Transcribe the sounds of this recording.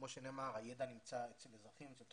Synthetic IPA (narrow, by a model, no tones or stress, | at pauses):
mo̞ʃeneːmaʁajed̪animt͡saet͡selezʁaχimt͡selt̪